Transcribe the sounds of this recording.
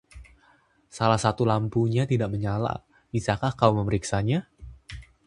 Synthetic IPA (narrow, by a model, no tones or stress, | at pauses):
salahsat̪ulampuɲat̪idaʔməɲala̰ | bisakahkauməməɾiksaɲa